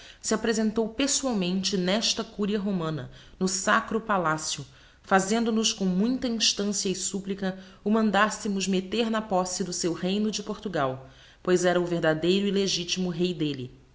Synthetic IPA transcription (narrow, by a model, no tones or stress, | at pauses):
siapɾezẽnt̪owpesuawmẽnt͡ʃɪnɛʃt̪ɐkuɾiɐɦomɐ̃nɐ | nʊsakɾʊpalasjʊ | fazẽnd̪ʊnʊskõw̃mũj̃t̪ɐĩʃt̪ɐ̃sjɐɪsuplikɐ | ʊmɐ̃nd̪asɪmʊzmet̪eɾnɐpɔsɪd̪ʊsewhejnʊd͡ʒɪpoɾt̪uɡaw | pojzɛɾɐʊveɾd̪ad̪ejɾʊileʒit͡ʃimʊɦejd̪elɪ̰